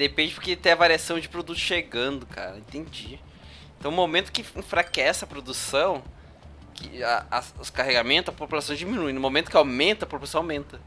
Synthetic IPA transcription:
d̪epẽnd͡ʒɪpoɾket̪ẽj̃ɐvaɾiasɐ̃w̃d͡ʒɪpɾod̪ut̪ʊ̥sʃeɡɐ̃nd̪ʊkʰa̰ɾɐẽt̪ẽd͡ʒi | ẽt̪ɐ̃w̃nʊmomẽnt̪ʊ̥kɪĩfɾakɛsɪɐpɾod̪usɐ̃w̃ | kʰɪ̰aɐsʊskaheɡamẽt̪ʊzɐpopulasɐ̃w̃d͡ʒiminuĩnʊmomẽnt̪ʊ̥kɪawmẽnt̪ɐpopulasɐ̃w̃awmẽnt̪ɐ

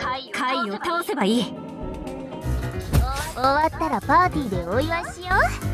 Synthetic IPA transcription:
kkʰaiot̪aose̞baiː | oβat̪ːaɾapaːt̪ʲiːd̪e̞oiβaɕijo

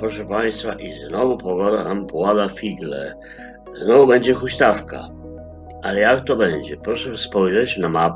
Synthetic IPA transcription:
pɾɔʂɛpaj̃st̪faʔiznɔvupɔɡɔd̪anampwad̪afʲiɡlɛ̰ | znɔvubɛɲd͡ʑɛxuɕt̪afka̰ | ʔalɛjakt̪ɔbɛɲd͡ʑɛpɾɔʂɛspɔjʐɛt͡ɕnamap

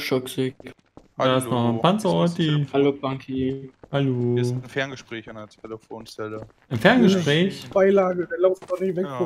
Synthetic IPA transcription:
ʃɔkz̥eːɡ̩ | dasnɔχnpant͡səɔtihalob̥aŋkʰihalon̩fɛɐnɡəʃpʁ̥ɛːçanʰeləfoːnt͡sɛlə | ʔɪnfɛɐnɡəʃpʁ̥ɛːçb̥aɪlaːɡədeːɐlaʊftnɔχnɪçvɛk

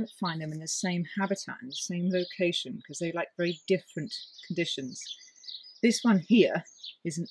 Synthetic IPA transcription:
ʊ̃ntfãɪ̃nðɨ̃mɨ̃nðɨsẽɪ̃mhabɨtʰa̰tn̩ðəsẽɪ̃mləʊkʰeɪʃɨ̃nkʰʌzðeɪlaɪk̚vɛɹidɪfɹɨ̃nkʰn̩dɪʃɨ̃nz̥ | ðɪswʌ̃nhiəɹɨz̃n̩

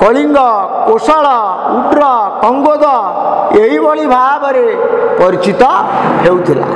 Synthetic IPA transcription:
kɔliŋɡɔ | kosaɭɔ | uʈɾɔkɔŋɡod̪ɔ | eibɔɭibʱajabəɾepɔɾit͡ʃit̪ɔɦewt̪ʰila̰

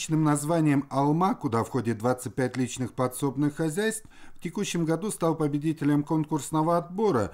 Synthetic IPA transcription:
t͡ɕnɨmnɐzvanʲɪjəmɐlˠmakʊd̪afxo̞dʲɪt̪̚d̪vat̪sɨt̚ʲpʲætʲlʲit͡ɕnɨxpɐt̪so̞bnɨxːɐzʲæjst̪fftʲɪkuɕːɪmɡɐd̪ust̪ɑlˠpəbʲɪdʲitʲɪlʲəmko̞nkʊrsnəvəɐt̪bo̞ɾə̰

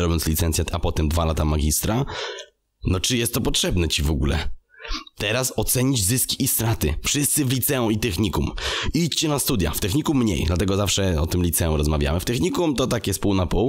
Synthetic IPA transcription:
ɾɔbʲjɔnt̪slʲit̪sɛnt̪sʲjaapɔt̪ɛmd̪valat̪amaɡʲist̪ɾa | nɔt͡ʂɨjɛst̪ːɔpɔtʂɛbnɛt͡ɕivɔɡulɛ̰ | t̪ɛɾasɔt̪sɛɲid͡ʑzɘskʲiʔːst̪ɾat̪ɘ̰fʂɘst̪sɘvlʲit̪sɛũit̪ɛxɲikumit͡ɕt͡ɕɛnast̪ud̪ʲja̰ft̪ɛxɲikumːɲḛjd̪lat̪ɛɡɔzafʂɛɔt̪ɘmlʲit̪sɛũɾɔzmavʲja̰mɘft̪ɛxɲikumt̪ɔt̪akʲɛspuwnapuw

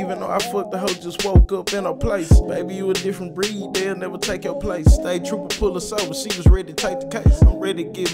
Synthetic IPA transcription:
ivɨ̃nðoʊaɪfʊt̚təɦoʊd͡ʒʌst̚wɜʊkʌpɨ̃nəpʰl̥eɪsmeɪbijɨɨdɪfɹɨ̃nb̥ɹiðə̃nɛvə˞tʰeɪkəpʰl̥eɪsteɪtʰɹ̥ʉpəpʰʊlˠəsɛlˠwəsid͡ʒɨzɹɛɾiɾɨtʰeɪk̚ðəkʰeɪsãɪ̃mɹɛɾiɾɨɡɪv

